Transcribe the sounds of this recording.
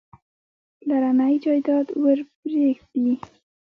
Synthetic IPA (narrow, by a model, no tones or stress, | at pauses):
laɾanajd͡ʒɑjd̪ɑd̪wəɾbɾeɡd̪i